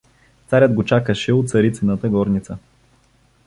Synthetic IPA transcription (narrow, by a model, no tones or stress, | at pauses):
t̪saɾʲəd̪ɡot͡ʃakəʃɛot̪sɐɾit̪sinət̪əɡɔɾnit̪sə